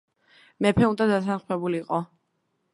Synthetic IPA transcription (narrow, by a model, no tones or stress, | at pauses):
mɛpʰɛund̪ad̪asʰanχmɛbuliːqʼɔ